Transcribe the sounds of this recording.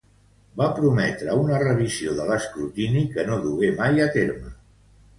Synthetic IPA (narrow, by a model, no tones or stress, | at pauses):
bapɾumɛt̪ɾəunərəβ̞izioðələskɾut̪inikənoðuɣemajət̪eɾmə